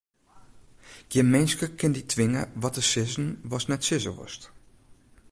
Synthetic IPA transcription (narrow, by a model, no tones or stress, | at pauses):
ɡ̥əmejnskəkɪnditʰʋɪŋə̰ʋɑtəsɪzənʋɑsnɛtsɪzə̰ʋɔ̰st